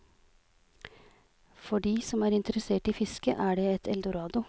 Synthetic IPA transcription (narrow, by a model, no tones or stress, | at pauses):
fɔɖiːsɔmæːɾɪnt̪əɾəseːʈiːfɪskə̰ʔæːɖeːɛt̪ʰɛ̰ld̪ʊɾɑːd̪ʊ